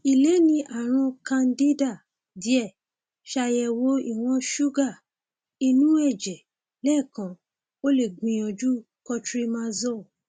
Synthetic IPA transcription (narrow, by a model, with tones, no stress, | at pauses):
i˨le˨˦nĩ˧ʔa˦˨ɾ̃ɔ̃˧kã˧n˦di˦da˦˨ | di˨˦ɛ˦˨ | ʃa˧jɛ˧wo˦i˦˨w̃ɔ̃˧ʃu˦ɡa˦˨ | i˧nũ˦ɛ˦˨d͡ʒɛ˨ | lɛ˦˨kã˨˦ | o˦le˦˨ɡ͡bĩ˨j̃ɔ̃˨d͡ʒu˦ | kɔ˧tɾi˦mã˦zɔ˦˨